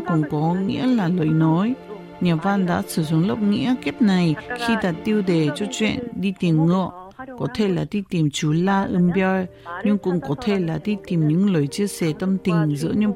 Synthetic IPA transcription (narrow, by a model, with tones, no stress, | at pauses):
kʊ˧˥ŋ͡mkɔ˨˦ŋḭ˧˥əlaː˨˩ləː˨˩jnɔ˨˦j | ɲaː˨˩vaː˧nɗ̪a̰ː˧˥sɨ˨˩zu˨˧˦ŋlə˨˧˩wk͡p̚ŋḭ˧˥əki˦˥p̚na˨˩jxi˧t̪aː˧˩t̪i˧əwd̪e˨˩t͡ɕɔ˧t͡ɕwḭ˧˨ə˨nɗi˧t̪i˨˩mŋɨ̰˧˨ə | kɔ˨˦t̪ʰe˧˩laː˨˩d̪i˧t̪i˨˩mt͡ɕu˨˦laː˧ʔɨ˧mbjə˧jɲɨ˧ŋkʊ̰˧˥ŋ͡mkɔ˨˦t̪ʰe˧˩laː˨˩d̪i˧t̪i˨˩mɲɨ̰˧˥ŋləː˨˩jt͡ɕi˧əsɛ˨˩t̪ə˧mt̪i˨˩ŋ̟zɨ̰˧˥əɲɨ̰˧˥ŋ